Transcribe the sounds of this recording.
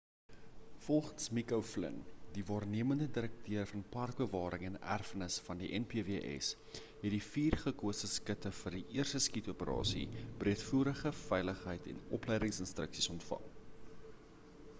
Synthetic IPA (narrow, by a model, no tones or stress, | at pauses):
fɔlˠχənsmikəwflə̰ndivɑːrniəməndədiɾək̚tʰøərfɐnpɐrk̚bəvɑːɾəŋɛnæ̰rfənəsfɐndiʔɛnpiːviʔɛ̰s | ɦɛtdifiːrχəkuəsəskətəfərdiʔiərstəskituəpəɾɑ̰ːsḭb̥riətfuːɾəχəfɛjləχɦəjtʰɛ̰nɔplɛjdəŋsənstrəksisɔntfɐ̰ŋ